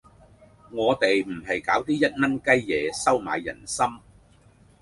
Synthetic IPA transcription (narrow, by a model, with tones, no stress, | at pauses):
ŋɔː˨˧t̪e˨jm̩˨˩ɦɐ˨jkaː˨˥wt̪iː˥jɐ˥t̚nɐ˥nkɐ˥jjɛː˨˧sɐ˥wma̰ː˨jːɐ̰˨˩nsɐ˥m